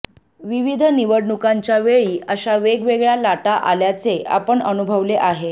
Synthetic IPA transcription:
ʋiʋid̪ʱəniʋəɽɳukaɲt͡ɕjaʋeɭiːəɕaʋeɡʋeɡɭjalaʈaʔaljat͡sea̰pəɳənubʱəʋleʔaɦe

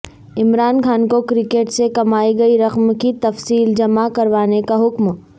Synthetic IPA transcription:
ɪmɾaːnxaːnkokɾɪkeːʈsekɐmaːiɡɐiɾɐqmkit̪ɐfsiːld͡ʒɐmakɐɾʋaːnekaɦʊkm

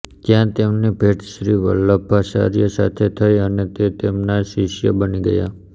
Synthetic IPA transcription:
kjãt̪emnebʱeʈʃɾiʋə̰lːəbʱasa̰ɾjəsa̰t̪ʰet̪ʰəjənet̪et̪emnaʃiʃjə̰bəniɡə̰ja̰

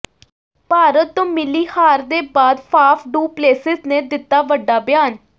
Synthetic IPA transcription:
paːɾət̪ːõːmɪliːhaːɾd̪eːbaːd̪pʰaːpʰɖuːpleːsɪzneːd̪ɪt̪ːaːʋəɖːaːbɪjaːn

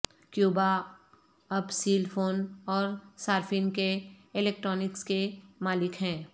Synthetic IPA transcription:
kjuːba | ɐbsiːlpʰoːnɔːɾsaːɾfʰɪnkeɪlɛːk̚ʈɾɔːnɪkskemaːlɪkɦɛ̃ː

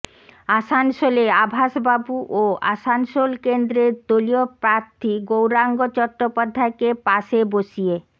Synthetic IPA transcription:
aʃanʃoleabʱaʃbabuʔoa̰sansolkend̪ɾeɾd̪oliopɾaɾt̪ʰiɡowɾaŋɡot͡ɕɔkʈːopad̪ʱːaekepaʃeboʃie

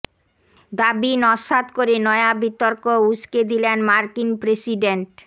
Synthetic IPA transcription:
d̪abinɔʃad̪koɾenɔeabit̪oɾkousked̪ilenmaɾkinpɾesiɖeɳʈ

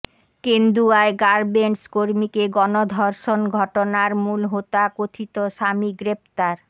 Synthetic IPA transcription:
kend̪ɾuaeɡaɾbeɳʈskoɾmikeɡɔnod̪ʱɔɾʃonɡʱɔʈonaɾmulɦot̪akot̪ʰit̪oʃamiɡɾep̚t̪aɾ

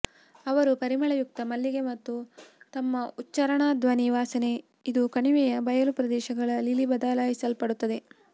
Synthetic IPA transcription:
ɐʋɐɾupɐɾimɐɭɐjuk̚t̪ɐmɐlːiɡe̞mɐt̪ːut̪ɐmːɐutːt͡ʃɐɾɐɳaːd̪ʋɐniʋaːsɐne̞ | id̪ukɐɳiʋɛjɐbɐjɐlupɾɐd̪ɛːʃɐɡɐɭɐlilibɐd̪aːlaːjisɐlpɐɽut̪ːɐd̪e̞

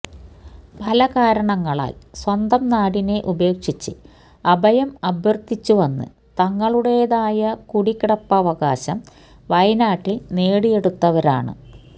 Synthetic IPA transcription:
pʰɐlɐkaːɾɐɳɐŋːɐɭa̰ːlswɐnd̪ɐmnaːɽine̞ʔube̞ːkʂit͡ɕːɨ | ɐbɐjɐmɐbʱjɐrt̪ːit͡ɕːuʋɐnːɨ̰ | t̪ɐŋːɐɭuɽe̞jðaːjɐkuɽikːiɽɐpːɐːʋɐɣaːɕɐm | ʋɐjnaːʈːilne̞ːɽije̞ɽut̪ːɐʋɐɾa̰ːɳɨ̰

